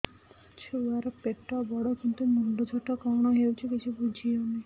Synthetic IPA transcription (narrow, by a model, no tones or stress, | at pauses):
t͡ɕʰuaɾapeʈːabɔɽokint̪unuɳɖod͡ʒʱɔʈːakɔɦnoɦewt͡ɕʰekit͡ɕʰubud͡ʑʱioni